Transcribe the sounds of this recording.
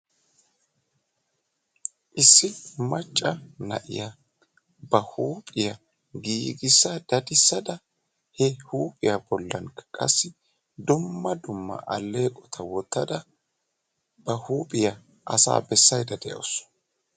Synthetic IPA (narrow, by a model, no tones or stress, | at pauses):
ʔɪsːɪmɐt͡ʃʼːɐnɐ̰ʔɪ̰jɐ | bɐhuːpʼɪjɐ | ɡiːɡɪsːɐd̪̥ɐd̪ɪsːɐd̪ɐ | hɛhuːpʼɪjɐbɔlːɐnkɐ̥kʼɐ̰sːɪ | d̪ʊmːɐd̪ʊmːɐ̰ʔɐlːe̞ːkʼɔt̪ʰɐwɔt̪ːɐd̪ɐ | b̥ɐhuːpʼɪjɐ | ʔɐsa̰ːbɛsːɐjd̪ɐd̪ɛjɐ̰s